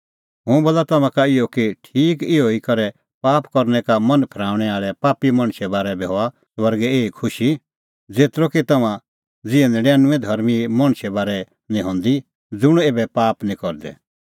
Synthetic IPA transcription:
ɦʊ̃boːlat̪ɐmãkaɪjɔkiʈʰiːkɪoikɐɾɛ | paːpkɔɾnɛkamɐ̃npʰɛɾaːʊɽ̃ɛaːɭɛpaːpimɐ̃ɽ̃ʃɛbaːɾɛbiɦɔa | sʋɐɾɡɛeːikʰʊʃi | d͡zeːt̪ɾokit̪ɐmã | d͡zɪɛ̃nd̪ɛɖɛːnʊ̃ɛ̃d̪ʱɐɾmimɐɽ̃ʃɛbaːɾɛ | nĩɦɔ̃ːnd̪i | d͡zʊɽ̃eːbɛpaːpnĩkɔɾd̪ɛ̰

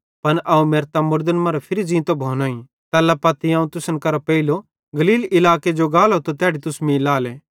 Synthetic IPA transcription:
pɐnʔaːũmeːɾt̪amʊɾd̪ənmɐ̃ɾɛpʰɪɾizĩːt̪obʱoːnaːĩ | t̪ɛːlapɐːt̪ːiaːũt̪ʊsənkɐɾopɛilo | ɡɐliːlɪlaːked͡ʒoɡaːlɦot̪ot̪ɛːɽit̪ʊsmĩlaːlɛː

